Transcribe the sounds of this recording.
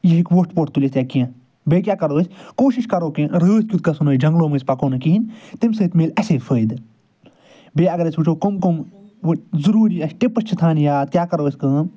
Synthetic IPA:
jiɦikʋoʈpoːʈt̪ulʲest̪ʲjaːkiã | beːkʲaːkɐɾoːsʲkoːʃiʃkɐɾoːkẽɾəːt̪̚ʲkʲut̪̚kɐsunoːd͡ʒɐ̃ŋɡloːmɨːsʲpɐkoːnɨkiːint̪imsɨːt̪meːlɐseːfʰəːid̪ | beːɐɡɐɾɐsʲut͡ʃʰoːkomkomʋɨzɐɾuːɾiːɐsʈipɐst͡ʃʰit̪ʰaːnjaːt̪̚kʲaːkɐɾoːsʲkɨːm

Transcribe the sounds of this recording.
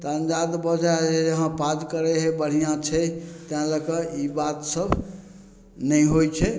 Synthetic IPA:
t̪ənd͡ʒad̪bəd͡ʒad͡ʒed͡ʒəɦãpad͡ʒkəɾeɦebəɽ̤ijãt͡ʃʰɛt̪ãləkəibat̪səb | nəjɦojt͡ʃʰɛ

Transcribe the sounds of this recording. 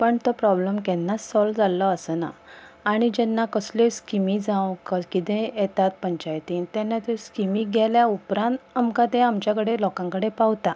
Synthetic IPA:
pəɳt̪ɔpɾɔbləmkɛnːasːɔld͡zalːɔəsəna̰aɽ̃id͡ʑɛnːakəsleskimid͡zãʋkəkit̪ẽjɛt̪at̪̚pəɲt͡ɕajt̪int̪ɛnːat̪eskimiɡʱɛljaupɾãnt̪amkãt̪ẽamt͡ɕjakəɽelɔkãŋkəɽepawt̪a

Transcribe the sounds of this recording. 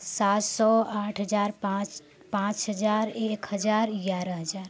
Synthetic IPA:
sat̪sɔaʈʰɦəd͡ʒaːɾp | pãt͡ʃɦəd͡ʒaːɾekɦəd͡ʒaːɾɡaɾəɦəd͡ʒaːɾ

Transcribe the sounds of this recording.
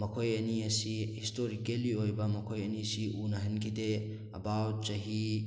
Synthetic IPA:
mɐkʰojɐniɐsihistoɾikeliojbɐmɐkʰojɐnisiʔunɐɦɐnkʰide | ɐ̰bawt͡ʃɐɦi

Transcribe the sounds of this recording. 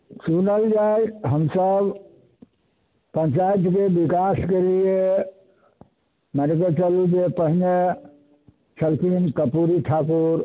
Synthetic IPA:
sunəld͡ʒajɦəmsəb | pə̃ɲt͡ʃajt̪kebikaskelie | məɾket͡ʃəlud͡ʒepəɦine | t͡ʃʰəlkinkəpuɾiʈʰakuɾ

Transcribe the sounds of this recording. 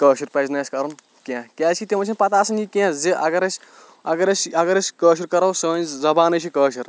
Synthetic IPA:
kəːʃuɾpɐznaːskɐɾun | kãːkʲɛːt͡ʃʰkʰit̪imɐt͡ʃʰinpɐt̪aːsɐnikʲãːzeʔɐɡɐɾɐsʲ | ɐɡɐɾɐsɐɡɐɾɐsʲkəːʃ̬uɾkɐɾɐwsəːnzɐbaːnɐt͡ʃʰikəːʃɐɾ

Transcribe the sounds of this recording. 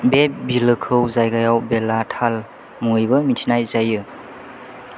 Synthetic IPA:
bep̚bilɯkʰɯwzajɡajawbelatʰal | muŋɯjbɐmitʰinajzajɯ

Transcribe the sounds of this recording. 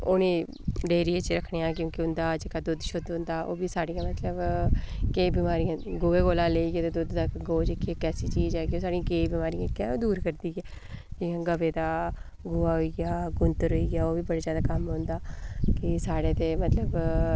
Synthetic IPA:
ʊneː | ɖeːɾieːt͡ʃɾəkʰɳejãːkjõːkiʊnd̪aːd͡ʒekaːd̪ʊd̪ʃod̪ʊ̃nd̪aːʔo̰ːbiːsaːɽijãːmət̪ləbkeːbiːmaːɾijãːɡoːeːɡoːlãːleːiːɡeːt̪eːd̪ʊd̪d̪akɡoːd͡ʒekːeːkɛːsiːt͡ʃiːd͡ʒɛːɡoːsaːɽijãːkeːbiːmaːɾijãːkɛːoːd̪uːɾkəɾd̪iːɡɛː | d͡ʒɪjãːɡəʋeːd̪aː | ɡʊːaːɦoiːɡaːɡʊnt̪əɾɦoːiːɡaːoːʋiːbəɽaːzjaːd̪aːkəmɦõːnd̪aːkɪsaːɽeːt̪eːmət̪ləb

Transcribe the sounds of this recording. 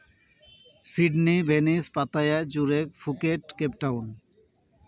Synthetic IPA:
siɖnibʱenispat̪ajad͡ʑuɾekfʰukeʈkepʈawn

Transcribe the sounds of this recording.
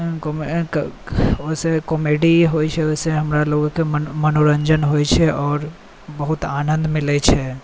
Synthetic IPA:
kom | osekɔmeɖiɦojt͡ʃʰɛoseɦəmɾaloːɡkemənoɾəɲd͡ʒənɦojt͡ʃʰɛʔɔːɾ | bəɦʊt̪aːnə̃nd̪mɪlɛt͡ʃʰɛ

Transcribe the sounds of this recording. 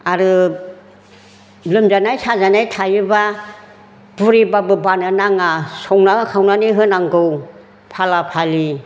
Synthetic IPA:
aɾɯ | lɯmd͡ʒanajsazanajtʰajɯba | b̥uɾibabɯbananaŋasɔŋnakʰawnaniɦɯnaŋɡɯw | pʰalapʰali

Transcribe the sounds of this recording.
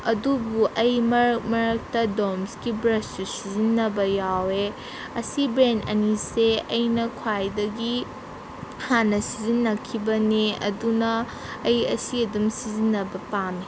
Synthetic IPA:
ɐdubuʔɐjmɐɾkmɐɾɐk̚tɐdomskibɾɐstusizinːɐbɐjawe | ɐsibɾenɐ̰niseɐjnɐkʰwajdɐɡi | hanːɐsizinːɐkʰibɐneɐ̰dunɐː | jɐsiɐdumsizinːɐbɐpane

